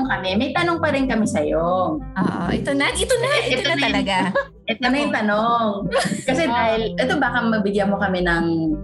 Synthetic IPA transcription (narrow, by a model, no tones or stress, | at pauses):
ŋkɐmɛmɐjt̪ɐnoŋpɐɾɪnkɐmɛsɐjooʔʔɛt̪onɐɛt̪onɐɛt̪oɐɐlɐɡa | ʔɛt̪onɐjʊŋt̪ɐnoŋkɐsɛd̪aːhɪlʔɛt̪obaːkɐmɐbɪɡjamokɐmɛnɐŋ